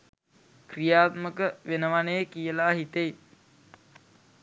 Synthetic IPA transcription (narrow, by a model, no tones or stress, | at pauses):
krijaːt̪məkəʋenəʋanejkijəlaːɦit̪ej